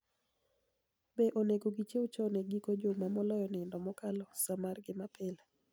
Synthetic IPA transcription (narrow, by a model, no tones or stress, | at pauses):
beʔoneɡoɡit͡ʃeut͡ʃɔoneɡikod͡ʒomamɔlɔjɔnɪndɔmɔkalɔsamarɡɪmapɪla